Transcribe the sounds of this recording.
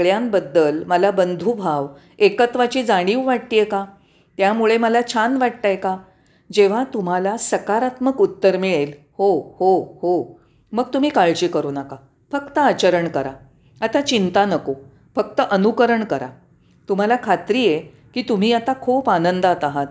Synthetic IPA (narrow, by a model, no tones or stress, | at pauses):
ɭjambəd̪ːəlməlabənd̪ʱubʱaʋ | ekət̪ʋat͡ɕiːd͡zaɽ̃iːʋʋaʈt̪ijeka | t̪jamuɭeməlat͡ɕʰanʋaʈ̚t̪ajka | d͡ʑeʋ̤at̪um̤alasəkaɾat̪məkut̪ːəɾmiɭel | hohoho | məɡ̚t̪um̤iːkaɭt͡ɕiːkəɾuːnaka | fəkt̪əat͡ɕəɾəɳkəɾa | at̪at͡ɕint̪anəko | fək̚t̪əʔənukəɾəɳkəɾa̰ | t̪um̤alakʰat̪ɾiːje | kiːt̪um̤iːat̪akʰupanənd̪at̪aɦat̪